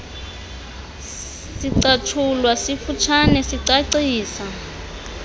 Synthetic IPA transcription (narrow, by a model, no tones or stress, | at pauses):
siǀat͡ʃʰulwasifut͡ʃʰanɛsiǀaǀiːsa